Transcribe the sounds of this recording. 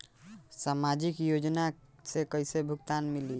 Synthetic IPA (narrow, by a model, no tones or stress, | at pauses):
samad͡ʒikjod͡ʒnasekəjsebʱukt̪anmili